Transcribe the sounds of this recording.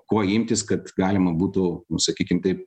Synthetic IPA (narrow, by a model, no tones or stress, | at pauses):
koːɪmʲt̪ʲɪskɐt̪ɡɑːlʲɪmɐbuːt̪ʊnʊsɐkʲiːkʲɪmt̪ɐɪp̚